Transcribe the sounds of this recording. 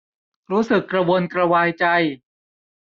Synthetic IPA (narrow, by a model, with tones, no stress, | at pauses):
ɾuː˦˥sɯ˨˩kːɾa˧wo˧nkɾa˧waː˧jt͡ɕa˧j